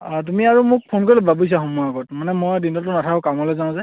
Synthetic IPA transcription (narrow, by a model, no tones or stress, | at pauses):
t̬umiaɹumʊk̚pʰonkɔɹilɛbabujs̬axɔmuaɡɔtmanɛmojdinɔtʊnatʰakʊkamɦɔlɛzãza